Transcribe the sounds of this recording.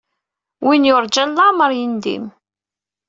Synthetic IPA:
winjʊɾˤd͡ʒænlɑməɾˤjind̪ḭm

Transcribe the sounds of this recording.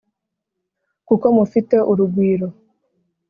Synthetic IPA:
kukɔmofitɛʔoɾuɡʷiːɾo

